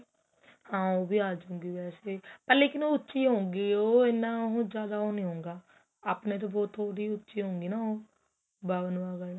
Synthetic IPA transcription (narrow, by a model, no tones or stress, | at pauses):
hãːoːbiːaːd͡ʒõːŋɡiːʋɛːseːpəɾleːkɪnoːʊtːʃiːɦõːŋɡiːoːɪnːãːɦũːd͡ʒjaːd̪aːoːnĩːɦõːŋɡaː | aːpnẽːt̪̬oːbɔːt̪ʰːoːɽiːʊtːʃiːɦõːŋɡiːnaːoː | baːʋənʋaːɡəl